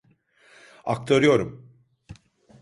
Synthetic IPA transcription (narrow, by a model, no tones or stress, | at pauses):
a̰k̚t̪ʰaɾɯjo̞ɾum